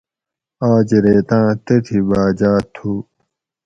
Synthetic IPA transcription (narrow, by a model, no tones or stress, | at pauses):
aːd͡ʑeɾeːt̪ãːt̪eʈ̪ʰibaːd͡ʑaːt̪ʰːuː